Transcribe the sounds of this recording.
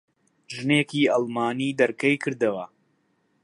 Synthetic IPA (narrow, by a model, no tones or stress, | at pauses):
ʒɨneːkiːʔɑlˠmaːniːd̪ɐɾkɐjkʰɨɾd̪ɐwɐ